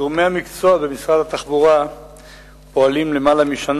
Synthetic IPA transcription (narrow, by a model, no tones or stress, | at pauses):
uʁmejamikt͡soabemisʁad̪at̪aχbuʁa | po̞alimle̞malamiʃan